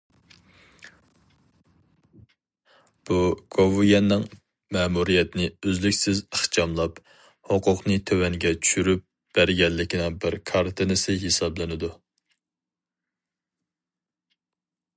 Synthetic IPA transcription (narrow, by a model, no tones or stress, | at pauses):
b̥uɡ̥ʰovujɛnːɪŋ | mɛmuɾijɛt̪ɪnɪøzlykʲsɪzəχt͡ʃɑmlˠɑp | hoqʰʊqnɨt̪ʰøwɛŋɡʲɛt͡ʃʰy̥ʃyɾyp̚ | b̥æɾɡʲɛlːɪkʲinɪŋbɪɾkʰɑɾt̪ʰɨnɨsɪɦesɑblˠɨnɪd̪u